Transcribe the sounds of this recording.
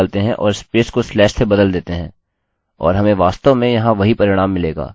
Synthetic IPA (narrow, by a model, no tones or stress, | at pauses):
lt̪eɦɛ̃ʔɔːɾɪspeːskoslɛːʃsebɐd̪əld̪eːt̪eɦɛ̃ː | ɔ̰ːɾɦɐmẽʋaːst̪omẽjɐɦãʋɐɦipɐɾɪɽ̃aːmːɪleːɡa̰ː